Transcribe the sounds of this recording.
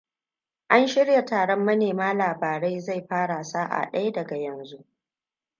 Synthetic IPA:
ʔa˦nʃɪ˦ɽja˨taː˨ɽɔ˦mːɐ˦neː˨maː˦laː˨baː˨ɽa˦jza˦˨jɸaː˦ɽa˨saː˦ʔa̰˨ɗɐ˦ja˦dɐ˨ɡa˨jɐ˨nzu˦ʔ

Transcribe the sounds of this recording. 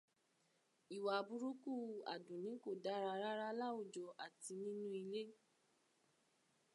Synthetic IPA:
i˨wa˨bu˧ɾu˦ku˦˨a̰˨dũ˨nĩ˨˦ko˦˨da˨˦ɾa˧ɾa˦ɾa˦la˦u˦˨d͡ʒɔ˨ʔa˨ti˧nĩ˦nũ˦i˧le˦

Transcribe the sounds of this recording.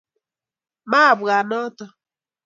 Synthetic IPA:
ma˦˨ba˨nɔ˦tə˦

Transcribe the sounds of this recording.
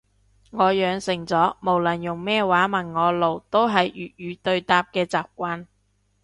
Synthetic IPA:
ŋɔː˨˧jœː˨˧ŋsɪ˨˩ŋt͡sɔː˨˥mo˨˩wlɐ˨˩njʊ˨˩ŋmɛː˥waː˨˥mɐ˨˩nŋɔː˨˧lo˨˩wt̪o˥wɦɐ˨jjyː˨t̚jyː˨˧t̪ɵ˧ɥt̪aː˧p̚kɛː˧t͡saː˨p̚kʷaː˧n

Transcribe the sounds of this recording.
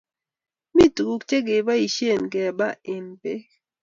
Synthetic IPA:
mi˦tɡu˨kt͡ʃe˦ɡɪ˨ba˦i˨ʃe˦˨nkɛ˨ba˦ɪ˨npe˦

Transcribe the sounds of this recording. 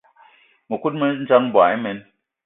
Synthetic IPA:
mə˨ku˦t̚mə˦n̩˦t͡ʃa˦ŋm˦ba˨i˦mɛ˨n

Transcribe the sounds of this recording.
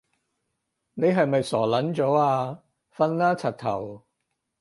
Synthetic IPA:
ne˨˧jɦɐ˨jmɐ˨jsɔː˨˩lɐ˨˥nt͡sɔː˨˥aː˧ | fɐ˧nlaː˥t͡sʰɐ˨t̚t̪ʰɐ̰˨˩w

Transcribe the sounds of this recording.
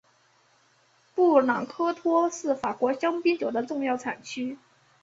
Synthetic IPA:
pu˥˩lɑ˨˩ŋkʰɤ˥t̪ʰwɔ˥ʂɻ̩˥˩fa˨˩kwɔ˧˥ɕjɑ˥ŋpi˥nt͡ɕjo˨˩ʊd̪ə˦ʈ͡ʂʊ˥˧ŋjɑ˥˩ʊʈ͡ʂʰa˨˩nt͡ɕʰy˥

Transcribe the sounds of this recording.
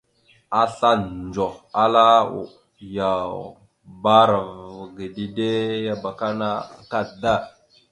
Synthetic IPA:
a˦ɬa˦nd͡ʒo˨xa˦la˦ṵ˨ | ja˨ | ba˦ɾa˨vɡi˨di˦de˦ja˨ba˨ka˦na˦˨ka˦da˦˨

